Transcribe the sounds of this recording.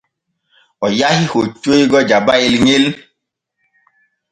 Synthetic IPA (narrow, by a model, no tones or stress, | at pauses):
ɔjahihot͡ʃeiɡɔd͡ʒabaelɲel